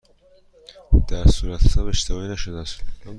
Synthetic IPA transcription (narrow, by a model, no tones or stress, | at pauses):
d̪̥æɾsuːɾæt̪ʰsʰæbeʃt̪ʰevɒːinæʃod̪æs